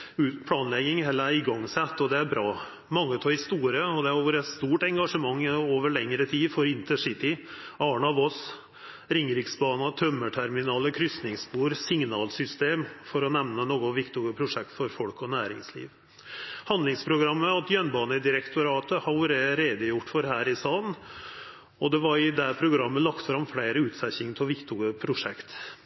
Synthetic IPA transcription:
ʉːt̪pʰlɑːnlɛɡɪŋhɛlːəæɾɪɡɑŋːsɛt̪ːɔd̪ɛæɾbɾɑː | mɑŋːət̪ʰɑːɪst̪uːɾəɔd̪ɛæɾoʋəɾɛt̪st̪uːʈɛŋɡɑʂəmɑŋːoːʋəɭɛŋɾət̪ʰiːfɔɾɪnt̪əʂɪt̪ɪɑːɳɑʋɔs | ɾɪŋɾɪksbɑːnɑt̪ʰœmːəʈʰæɾmɪnɑːləkʰɾʏst̪nɪŋspuːɾsɪŋnɑːlsʏst̪eːmfɔɾɔnɛʋnənoːɡʊʋɪkt̪ʊɡəpʰɾʊʂɛk̚t̪fɔɾfɔlkɔnæːɾɪ̰ŋslḭːʋ | hɑnd̪lɪŋspʰɾʊɡɾɑmːəɑt̪jœnbɑːnəd̪ɪɾɛkt̪ʊɾɑːt̪əhɑʊɾeɾeːd̪əjʊʈːfɔɾɦæːɾɪsɑːn | ɔd̪ɛʋɑɾɪd̪æpʰɾʊɡɾɑmːəlɑkt̪fɾɑmfɽeːɾəʉːt̪sɛçɪŋt̪ʰɔʋɪkt̪ʊɡəpʰɾʊʂɛkt̪

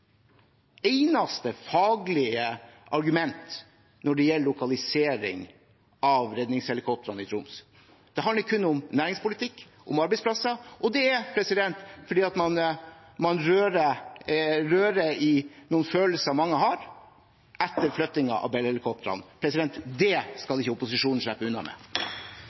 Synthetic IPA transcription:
eɪnɑst̪əfɑːɡlɪəʔɑɾɡʉmɛnt̪ | nɔɖɛjɛlːəlʊkɑlɪseːɾɪ̰ŋ | ɑʋɾɛd̪nɪŋshɛlɪkʰɔp̚t̪əɾɑnɪt̪ʰɾʊms | d̪̥ɛɦɑnd̪əɾkʰʉnːʊmnæːɾɪŋspʊlɪt̪ʰɪkː | ʔʊmɑɾbɛɪspʰlɑsəʔɔd̪ɛɛpʰɾɛsɪd̪ɛnt̪fɔɖiːɑt̪mɑn | mɑnɾøːɾə | ɾøːɾəɪnuːnføːləsəmɑŋːəɦɑɾ | ʔɛt̪ːəɾflœt̪ːɪŋɑ̰ʔɑ̰ʋbɛlhɛlɪkʰɔp̚t̪əɾɑ̰npʰɾɛsɪd̪ɛnt̪d̪ɛskɑlɪçːəʊpʊsɪʂuːnn̩ʂɭæpːəʉnːɑ̰mɛ̰ː

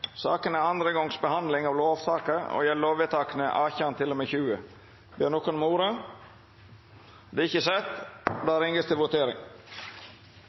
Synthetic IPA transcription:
sɑːkənæɑnd̪ɾəɡɔŋsbəhɑnd̪lɪŋɑʋloːʋsɑːkəɾo̰ːjɛlːoːʋət̪ʰɑːkənəʔɑːçəɑnt̪ʰɪlːɔmeːçʉːə | bjøːɳokənmuːɾə | d̪ɛɪçəsɛt̪d̪ɑːɾɪŋɡəst̪ɪlʋʊt̪ʰeːɾɪ̰ŋ

